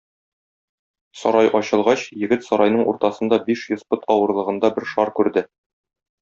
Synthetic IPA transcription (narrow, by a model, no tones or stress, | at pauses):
sɒ̰ɾɑjʔɒɕɤ̆lˠʁɑɕjɘ̆ɡɘt̪sɒɾɑjnɤɴʔṵɾt̪ɑsɤ̆nd̪ɑbiʃjɵ̆zpɤt̪ɒwɤ̆ɾlˠɤ̆ʁɤ̆nd̪ɑbɘɾʃɒɾkʉɾd̪ɘ